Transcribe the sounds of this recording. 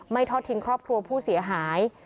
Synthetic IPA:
ma˥˩jt̪ʰɔ˦˥t̪ʰːi˧nkʰɾɔː˥˩p̚kʰɾu˧ɐpʰuː˥˩si˩˦ɐɦaː˩˦j

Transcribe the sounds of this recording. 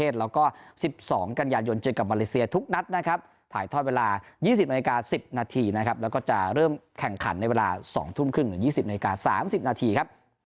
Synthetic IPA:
eː˥˩t̪̚lɛː˦˥wkɔː˥˩si˨˩p̚sɔː˩˦ŋka˧njaː˧jo˧nt͡ɕɤː˧əka˨˩p̚maː˧leː˦˥si˧ɐt̪ʰu˦˥k̚na˦˥t̪̚na˦˥kʰa˦˥p̚ | t̪ʰa̰ː˩˦jt̪ʰɔː˥˩weː˧laː˧jiː˥˩si˨p̚naː˧i˧kaː˧si˨˩p̚naː˧t̪ʰiː˧na˦˥kʰa˦˥p̚lɛ˦˥wkɔː˥˩t͡ɕa˨˩ɾɤː˥˩mkʰɛ˨˩ŋkʰa̰˩˦nːa˧jweː˧la̰ː˧sɔ̰ː˩˦ŋt̪ʰu˥˩mkʰɯ˥˩ŋnɯ˩˦jiː˥˩si˨˩p̚naː˧li˧kaː˧sa̰ː˩˦msi˨˩p̚naː˧t̪ʰiː˧kʰa˦˥p̚

